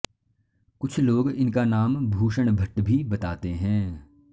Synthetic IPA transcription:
kʊt͡ʃʰloːɡɪnkanaːmbʱuːʃəɽ̃bʱɐʈbʱibɐt̪aːt̪eɦɛ̃ː

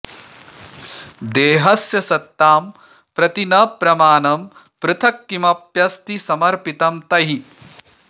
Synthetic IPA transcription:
d̪eːɦɐsjɐsɐt̪ːaːm | pɾɐt̪inɐpɾɐmaːnɐm | pɾɨt̪ʰɐkːimɐpjɐst̪isɐmɐɾpit̪ɐmt̪ɐɦi

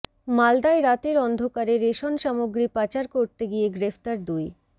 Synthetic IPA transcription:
mald̪aeɾat̪eɾɔnd̪ʱokaɾeɾeʃonʃamoɡɾipat͡ɕaɾkoɾt̪eɡieɡɾepʰt̪aɾd̪uj

